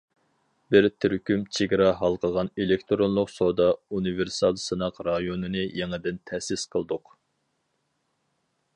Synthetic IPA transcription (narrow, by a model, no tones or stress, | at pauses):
bɪɾt̪ʰyɾkʲymt͡ʃʰeɡʲɾɑɦɑlˠqʰəʁɑnelɪkʲt̪ʰɾonlˠʊqsod̪ɑuniveɾsɑlˠsɨnɑqɾɑjonɨnɨjeŋɨd̪ɪnt̪ʰɛsɪsqʰəlˠd̪ʊq